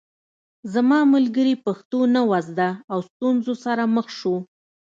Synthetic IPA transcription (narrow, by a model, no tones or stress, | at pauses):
zamɑməlɡəɾipaxt̪onawazd̪aːwst̪unzosaɾaməxʃu